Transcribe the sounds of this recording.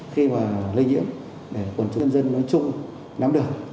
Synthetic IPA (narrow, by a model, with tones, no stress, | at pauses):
xi˧maː˨˩lï˧ŋɲḭ˧˥əm | ɗe˧˩kwə˨˩nt͡ɕʊ˨˧nzə˧nːɔ˨˦jt͡ɕʊ˧ŋ͡m | na˨˦mɗɨ˨˩ək̚